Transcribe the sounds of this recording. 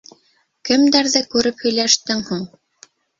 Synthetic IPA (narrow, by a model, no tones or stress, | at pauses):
kɘ̆md̪æɾðɘkʉɾɘphɵ̆jlæʃt̪ɘŋhuŋ